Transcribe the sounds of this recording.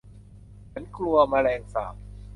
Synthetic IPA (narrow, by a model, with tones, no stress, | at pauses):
t͡ɕʰa˦˥nkʰlu˧ɐmaː˧lɛː˧ŋsa̰ː˨˩p̚